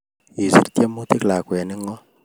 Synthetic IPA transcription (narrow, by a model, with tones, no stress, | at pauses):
i˨sḭ˨ɾtje˦mu˦ti˦kla˨kwɛ˨ni˦ŋɔ˦